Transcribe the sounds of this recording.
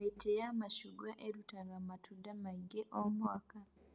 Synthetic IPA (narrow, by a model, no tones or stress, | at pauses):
etejamaʃuɡaʔeɾutaŋɡamatʰudamaiɡeʔomwaka